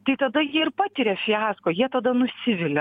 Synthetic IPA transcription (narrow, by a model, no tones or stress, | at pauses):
t̪ɐɪt̪ɐd̪ɐjiɛɪɾpɑːt̪ʲɪɾʲeːfʲɪæːskoːjiɛt̪ɐd̪ɐnʊsʲɪʋʲɪlʲɛ